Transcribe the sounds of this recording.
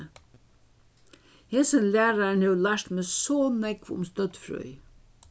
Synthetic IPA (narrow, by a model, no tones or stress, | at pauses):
heːsənlæːɾaɳhewlaʂt̪meːsɔːnɛkʋʊ̰mst̪œt̪fɾœ̰ʏ